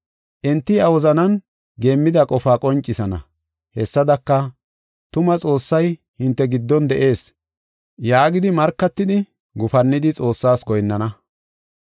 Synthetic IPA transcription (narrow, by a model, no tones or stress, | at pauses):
ʔɛnt̪ːɪɐwɔzɐnɐn | ɡe̞ːmːɪd̪ɐkʼɔfaːkʼɔnt͡ʃʼːɪsɐnɐ̰ | hɛsːɐd̪ɐkːɐ | t̪ʊmɐt͡sʼo̞ːsːɐj | hɪnt̪ːɛɡɪd̪ːɔnd̪ɛʔe̞ːs | jaːɡɪd̪ɪmɐɾkːɐt̪ːɪd̪ɪ | ɡʊfɐnːɪd̪ɪt͡sʼo̞ːsːaːsɡɔjnːɐnɐ